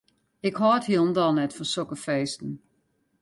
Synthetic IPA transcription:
ɪkhɔːthilˠn̩dɔlˠnɛtfɔnsɔkəfeːstn̩

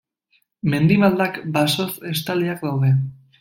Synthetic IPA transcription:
me̞nd̪imald̪akbaso̞se̞st̪aliak̚d̪awðe̞

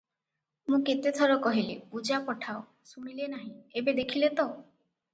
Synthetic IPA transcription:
mũket̪et̪ʰɔɾɔkɔɦilipud͡ʒapɔʈʰao | suɽ̃ilenaɦĩebed̪ekʰilet̪o

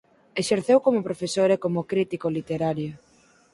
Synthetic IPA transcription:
eʃeɾθewkomopɾofesoɾekomokɾit̪ikolit̪eɾaɾjo

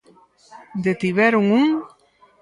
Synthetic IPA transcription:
d̪et̪iβɛɾuŋuŋ

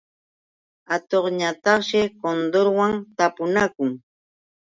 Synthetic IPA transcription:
at̪oχɲat̪ɑχʃɪkond̪oɾwaŋt̪apʊnakʊŋ

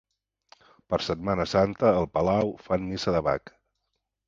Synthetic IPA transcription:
pəɾsət̪manəsant̪əːlˠpəlawfanmisəðəβa̰k

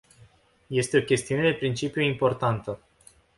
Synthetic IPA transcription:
je̞st̪e̞o̞kʲe̞st̪iune̞d̪e̞pɾint͡ʃipijuimpo̞rt̪ant̪ə

